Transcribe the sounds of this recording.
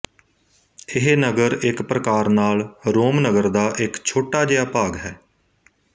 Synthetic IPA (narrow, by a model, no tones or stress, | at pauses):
ɪɦenəɡəɾɪkpɾəkaːɾnaːlɾoːmnəɡəɾd̪aːʔɪkt͡ʃʰoːʈaːd͡ʒejaːpaːɡɦɛː